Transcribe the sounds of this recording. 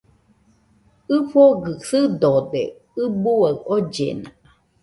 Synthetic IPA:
ɨɸoɡɨsɨd̪od̪ḛ | ɨbuaod͡ʒḛnã

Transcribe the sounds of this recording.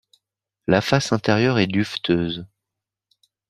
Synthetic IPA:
lafasɛ̃t̪ɛʁjœʁɛd̪yft̪ʰøːz

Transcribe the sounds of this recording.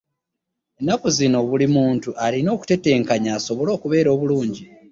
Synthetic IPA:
enːakuzino̞βulimuːntuʔalino̞ːku̥te̞te̞ːŋkaɲaːso̞βo̞lo̞ːkuβe̞ːɾo̞ːβuluːɲɟi

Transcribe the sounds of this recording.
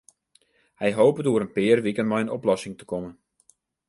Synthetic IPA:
hɛjɦowpədoəɾənpɪːrʋikənmɔjənɔplɔsɪŋtə̥kɔmən

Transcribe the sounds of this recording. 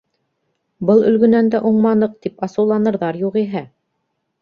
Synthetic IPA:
bɤlˠɵ̆lɡɵ̆nænd̪æʔuɴmɑnɤq̚t̪ipɑsɤ̆wlˠɑnɤ̆ɾðɑɾjuʁiɦæ

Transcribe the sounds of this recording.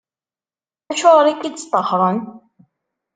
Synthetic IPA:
æʃʊɾɾˤikːid̪st̪ˤːəhɾˤən

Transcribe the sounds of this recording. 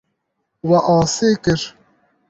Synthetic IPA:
wɐʔɑːseːkɨɾ

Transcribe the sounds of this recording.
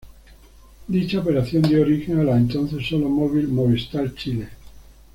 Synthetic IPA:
d̪it͡ʃaopeɾaθjond̪eoɾixeŋalaent̪on̟θesːolomoβilmoβest̪alt͡ʃile

